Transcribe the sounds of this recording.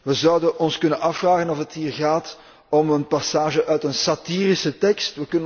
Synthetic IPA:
ʋəzɔwdənʔɔnskɵnənɑfraːɣənɔfətɦiːrɣaːt | ɔmənpasaːʒəʔœɥtənsatiːrisətɛkstʋəkɵnə

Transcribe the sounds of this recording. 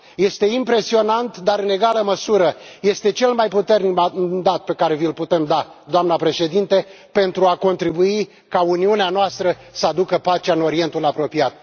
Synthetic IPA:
je̞st̪e̞impɾe̞sio̞nant̪d̪aɾɨne̞ɡaləməsuɾəje̞st̪e̞t͡ʃe̞lmajput̪e̞rnikd̪at̪̚pe̞kaɾe̞vilput̪e̞md̪ad̪oamnapɾe̞ʃe̞d̪int̪e̞ | pe̞nt̪ɾuako̞nt̪ɾibui | kauniuneanoast̪ɾə | səad̪ukəpat͡ʃeaɨno̞ɾie̞nt̪ulapɾo̞piat̪̚

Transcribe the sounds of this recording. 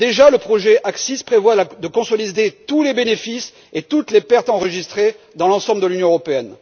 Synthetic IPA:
d̪eʒaləpχɔʒeʔaksispχevwad̪əkɔ̃sɔlid̪et̪ulebenefis | et̪ut̪lepɛʁt̪ɑ̃ʁəʒist̪χe | d̪ɑ̃lɑ̃sɑ̃bləd̪əlynjɔ̃əʁɔpeɛn

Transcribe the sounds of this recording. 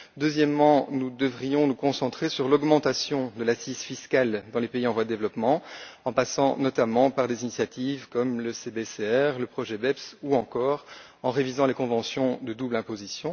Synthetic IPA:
d̪øzjɛmːɑ̃nud̪əvʁijɔ̃nukɔ̃sɑ̃t̪χesyʁlɔɡmɑ̃t̪asjɔ̃d̪əlasizfiskald̪ɑ̃lepeiɑ̃vwad̪əd̪evlɔpmɑ̃ɑ̃pasɑ̃nɔt̪amɑ̃paʁd̪ezinisjat̪ivkɔmləsebeseɛʁləpχɔʒɛbɛpsuɑ̃kɔːʁ | ɑ̃ʁevizɑ̃lekɔ̃vɑ̃sjɔ̃d̪əd̪ublɛ̃pozisjɔ̃

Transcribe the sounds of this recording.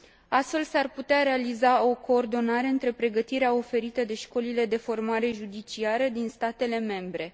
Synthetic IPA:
ast̪fe̞lsarput̪eaɾe̞alizao̞ko̞ːrd̪o̞naɾe̞ɨnt̪ɾe̞pɾe̞ɡət̪iɾeao̞fe̞ɾit̪əd̪e̞ʃko̞lile̞d̪e̞fo̞rmaɾe̞ʒud̪it͡ʃiaɾəd̪inst̪at̪e̞le̞me̞mbɾe̞

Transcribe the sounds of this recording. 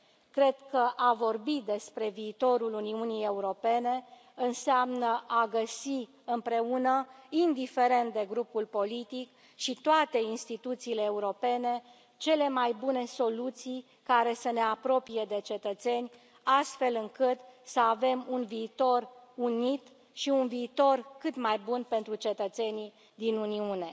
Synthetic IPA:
kɾe̞d̪kəʔavo̞rbid̪e̞spɾe̞viːt̪o̞ɾuluniunije̞uɾo̞pe̞ne̞ | ɨnseamnəʔaɡəsi | ɨmpɾe̞unəind̪ife̞ɾe̞nt̪̚d̪e̞ɡɾupulpo̞lit̪ik | ʃit̪oat̪e̞inst̪it̪ut̪siːle̞ːuɾo̞pe̞ne̞ | t͡ʃe̞le̞majbune̞so̞lut̪sij | kaɾe̞səne̞apɾo̞pije̞d̪e̞t͡ʃe̞t̪ət̪se̞nʲ | ast̪fe̞lɨŋkɨt̪səave̞munviːt̪o̞runit̪ | ʃiunviːt̪o̞rkɨt̪majbunpe̞nt̪ɾut͡ʃe̞t̪ət̪se̞ni | d̪inuniune̞

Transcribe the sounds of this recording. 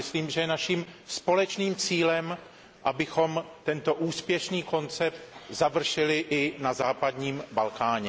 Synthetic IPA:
ɪsliːmʒɛjɛnaʃiːmspo̞lɛt͡ʃniːmt͡siːlɛm | ʔabɪxo̞mt̪ɛnt̪o̞ʔuːspjɛʃniːko̞nt͡sɛp̚t̪zavr̩ʃɪlɪʔɪnazaːpad̪ɲiːmbalkaːɲɛ

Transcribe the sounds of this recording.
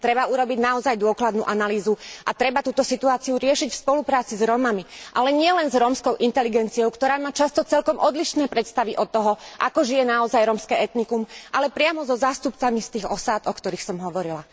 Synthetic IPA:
t̪ɾɛbauɾɔbiɟnaɔzajd̪ʊɔklad̪nṵːʔanaliːzuʔat̪ɾɛbat̪uːt̪ɔsit̪uaːt͡siuɾɪɛʃicfspɔlupɾaːt͡sizɾɔmamiʔalɛɲɪɛlɛnzɾɔmskɔʊʔint̪ɛliɡɛnt͡siɔʊkt̪ɔɾaːmaːt͡ʃast̪ɔt͡sɛlkɔmʔɔd̪liʃnɛːpɾɛt̪st̪aʋiʔɔt̪ːɔɦɔʔa̰kɔʒijɛnaɔzajɾɔmskɛːɛt̪nikumʔalɛpɾɪamɔzɔzaːst̪upt͡samist̪iːɣɔsaːd̪ɔkt̪ɔɾiːxsɔmɦɔʋɔɾila

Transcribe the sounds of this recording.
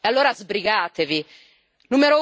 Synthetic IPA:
alːoːɾazbɾiɡaːt̪evi | numeɾo

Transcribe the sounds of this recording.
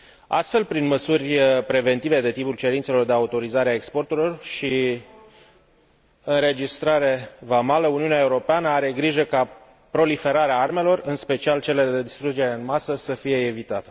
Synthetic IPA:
a̰st̪fe̞lpɾinməsurʲpɾe̞ve̞nt̪ive̞d̪e̞t̪ipult͡ʃe̞ɾint̪se̞lo̞rd̪eaut̪o̞ɾizaɾeaekspo̞rt̪uɾilo̞rʃi | ɨnɾe̞d͡ʒist̪ɾaɾe̞vamaləuniuneaeuɾo̞peanəaɾe̞ɡɾiʒəka | pɾo̞life̞ɾaɾeaarme̞lo̞rɨnspe̞t͡ʃialt͡ʃe̞le̞d̪e̞d̪ist̪ɾud͡ʒe̞ɾeɨnmasəsəfije̞ːvit̪at̪e̥

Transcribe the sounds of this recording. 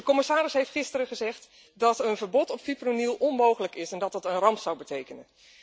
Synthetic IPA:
əkɔmɪsaːɾɪsɦejftχɪstərəχəzɛχt | dɑtənvəɹbɔtɔpfipronilˠʔɔnmowχələkɪsɛndɑt̚dɑtənrɑmpsawbətejkənən

